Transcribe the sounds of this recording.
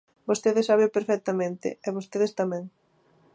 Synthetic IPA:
bost̪eðesaβewpeɾfɛk̚t̪amẽnt̪ɪ̰ɛβost̪eðest̪amɛ̃ŋ

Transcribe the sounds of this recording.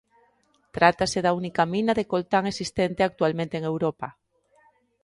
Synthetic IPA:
t̪ɾat̪aseðaunikamĩnaðekolt̪aŋesist̪ent̪eak̚t̪ualmẽnt̪eːŋewɾopa

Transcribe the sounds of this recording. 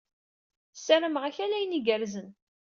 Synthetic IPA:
sæɾəmʁæçælæjəniɡəɾzən

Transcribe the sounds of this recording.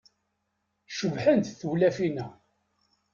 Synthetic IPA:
ʃəvħənt̪θuwlæfinæ

